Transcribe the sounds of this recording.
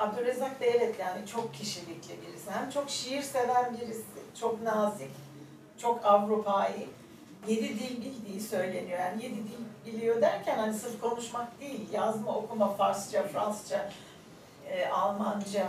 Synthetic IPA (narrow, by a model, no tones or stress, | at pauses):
abd̪ulezak̚d̪ɛvɛt̪ːjanit͡ʃʰo̞kcʰiʃilʲiclʲibiɾisihæmt͡ʃʰo̞kʃijiɾse̞vænbiɾisɪ̰t͡ʃʰo̞knaːzic | t͡ʃʰo̞kʰavɾupʰaji | je̞d̪id̪ilʲbilʲd̪ijisø̞jlʲe̞nijo̞janije̞d̪id̪ilʲbilʲijo̞d̪æɾcʰænhanisɯɾkʰo̞nuʃmakd̪ejilʲjazmao̞kumafaɾst͡ʃafɾanst͡ʃʰa | ʔalˠmand͡ʒa